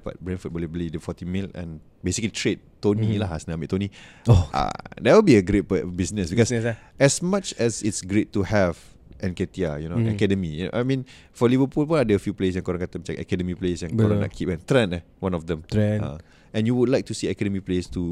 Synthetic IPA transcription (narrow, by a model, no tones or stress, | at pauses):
ba̰t̚bɹɛ̃nfəd̚bəliblidəfɔtĩmilɛ̰̃n | besikəlitʰɹed̚tonilahasnamitːonioa̰dɛwilbiəɡɾet̚pbisnəsbikɔsɛsmat͡ʃɛsitsɡɹetːuhɛv | ʔɛ̃nkɛtia̰junoɛkɛdəmijuno̰ʔajmĩn | fɔlivəpulwɔadɛəfjupleəs̬ɛ̃nkɔɾãnkat̪ə̃mt͡ʃaʔɛ̰kɛdəmiplesɛ̃nkɔɾãna̰kʰipɛ̃ntɹɛ̃nɛ | wãnɔfdɛ̃mtã̰ | ɛ̃njuwudlajk̚tusiɛkɛdəmiplestu